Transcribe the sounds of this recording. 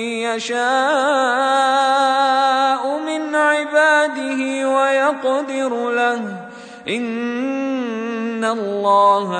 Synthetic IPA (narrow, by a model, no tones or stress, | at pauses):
jaʃaː | ʔʊmɪnʕɪbaːd̪ɪhɪwajɑqd̪ɪɾlah | ʔɪn | alˤːɑːha